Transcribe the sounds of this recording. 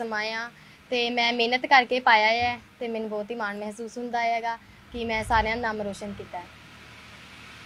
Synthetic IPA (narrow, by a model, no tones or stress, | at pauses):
əmaːjãː | t̪eːmɛ̃ːmeːnət̪kəɾkeːpaːjaːɛːt̪eːmɛnũːbɔːt̪iːmaːnmɛɦsuːsɦʊ̃nd̪aːɦɛːɡaː | kɪmɛ̃ːsaːɾejãːnaːmɾoːʃənkiːt̪aːɛ